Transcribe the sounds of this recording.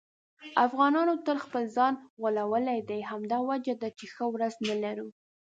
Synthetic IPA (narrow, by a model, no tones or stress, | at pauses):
afɣɑnɑnot̪əlxpəlzɑnɣəlawəlajd̪ajɦamd̪ɑwad͡ʒad̪at͡ʃexəwɾaznalaɾu